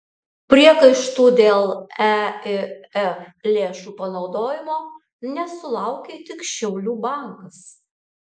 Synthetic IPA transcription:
pʲɾʲiɛkɐɪʃt̪uːd̪ʲeːlˠæɪɛlʲeːʃuːpɐnɒʊd̪oːjɪmoː | nʲɛsʊlˠɐˑʊkʲet̪ʲɪkʃʲɛʊlʲuːbɑˑŋkɐs

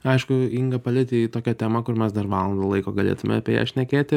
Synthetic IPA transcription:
ɐɪʃkʊiŋɡɐpɐlʲɪt̪ʲit̪oːkʲɛt̪ʲæːmɐkʊrmʲɛsd̪ɐrʋɑːlˠɐnd̪ɐlˠɐɪkoːɡɐlʲḛːt̪ʊmʲɛ̰ɐpʲḛːjɛ̰ʃʲnʲɛkʲeːt̪ʲɪ

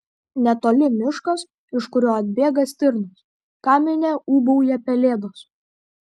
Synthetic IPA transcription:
nʲɛt̪oːlʲɪmʲɪʃkɐs | ɪʃkʊɾʲoːɐd̪ʲbʲeːɡɐsʲt̪ʲɪɾnʊs | kɑːmʲɪnʲeːuːbɔʊjɛpʲɛlʲeːd̪os

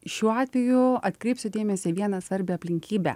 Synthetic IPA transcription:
ʃʲuːɑːt̪ʲʋʲɛjʊɐt̪ʲkɾʲɛɪpʲsʲʊd̪ʲeːmʲɛsʲɪʋʲiɛnɐsʋɐɾʲbʲɪɐpʲlʲɪŋʲkʲiːbʲɛ̰

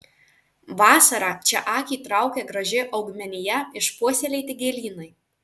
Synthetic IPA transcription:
ʋɑːsɐɾɑːt͡ʃʲɛʔɑːkʲiːt̪ɾɑˑʊkʲɛɡɾɐʒʲɪʔɐʊɡmʲɛnʲɪjɛɪʃpuɔsʲeːlʲɛɪt̪ʲɪɡʲeːlʲiːnɐɪ

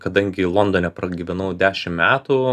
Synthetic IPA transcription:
kɐd̪ɐŋʲɡʲɪlˠɔnd̪oːnʲɛpɾɐɡʲiʋʲɛnɐʊd̪ʲæːʃʲɪmmʲæːt̪u

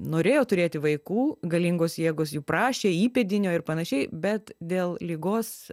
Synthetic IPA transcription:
noːɾʲeːjoːt̪ʊɾʲeːt̪ʲɪʋɐɪkuːɡɐlʲɪŋɡoːsjeːɡoːsjuːpɾɑːʃʲeːiːpʲɛd̪ʲɪnʲoːɪɾpɐnɐʃʲɛɪbʲɛt̪d̪ʲeːlˠlʲiːɡoːs

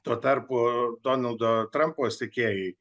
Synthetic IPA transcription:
t̪uɔt̪ɐɾpod̪oːnɐlˠd̪oːt̪ɾɐmpoːsʲt̪ʲɪkʲeːjɛ

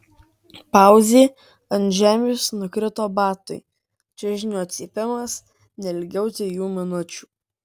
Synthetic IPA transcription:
pɑˑʊzʲeː | ɐnʲʒʲæːmʲjʊsnʊkɾʲɪt̪oːbɑːt̪ʊɪ | t͡ʃʲɛʒʲɪnʲoːɐt̪ʲsʲiːpʲɪmɐs | nʲɛɪlʲɡʲɛʊt̪ʲɪjuːmʲɪnʊt͡ʃʲu̥ː

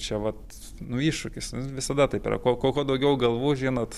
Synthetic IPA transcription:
t͡ʃʲɛʋɐt̪ | nʊiːʃʃʊkʲɪsnʊʋʲɪsɐd̪ɐt̪ɐɪpḭrɐ̰koːkoːkoːd̪ɐʊɡʲɛʊɡɐlˠʋuːʒʲiːnoːt̪

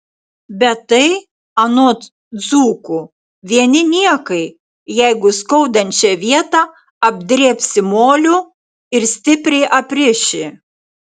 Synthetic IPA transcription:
bʲɛt̪ɐɪ | ɐnoːt̪ | zuːkʊ | ʋʲiɛnʲɪnʲiɛkɐɪ | jɛɪɡʊskɔʊd̪ɐnʲt͡ʃʲɛʋʲiɛt̪ɑ | ɐbʲd̪ʲɾʲeːpʲsʲɪmoːlʲʊ | ɪɾsʲt̪ʲɪpʲɾʲɛɪʔɐpʲɾʲɪʃʲɪ

